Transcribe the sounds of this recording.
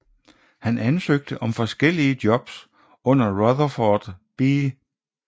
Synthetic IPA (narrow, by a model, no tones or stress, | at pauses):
hænʔænsøɡ̥̚d̥əʔɒ̽mfɒ̽sɡ̥el̰iəd̥jɒ̽b̥s | ɔ̽n̰ɐʁɒðˠɐfɒːd̥b̥iː